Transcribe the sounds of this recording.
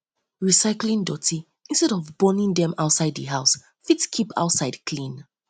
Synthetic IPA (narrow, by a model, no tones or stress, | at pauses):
ɹisaɪklĩŋdɔtʰi | ĩnstɛɾɔvbɔnĩŋdɛ̃maʊtsaɪddəɦaʊs | fitkʰipʰa̰ʊtsaɪdkʰlĩn